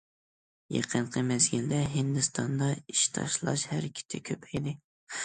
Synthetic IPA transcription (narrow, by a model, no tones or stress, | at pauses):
jḛqʰənqʰəmɛzɡʲild̪ɛɦɪnd̪ɨst̪ʰɑnd̪ɑiʃt̪ʰɑ̰ʃlˠɑ̰ʃhæɾkʲʰɪ̥t̪ʰɪkʲʰøpʰɛjd̪ɪ